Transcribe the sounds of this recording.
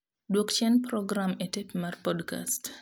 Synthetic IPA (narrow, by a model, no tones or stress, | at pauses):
dwokt͡ʃɛnpɾɔɡɾametepmarpɔdka̰st